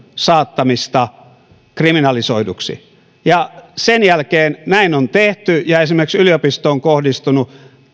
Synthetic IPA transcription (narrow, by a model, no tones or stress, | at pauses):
sɑːt̪ːɑmist̪ɑ | kriminɑlisoiduksḭ | jɑsenjælkeːnnæinont̪eht̪yjɑesimerksyliopist̪oːŋkohdist̪unu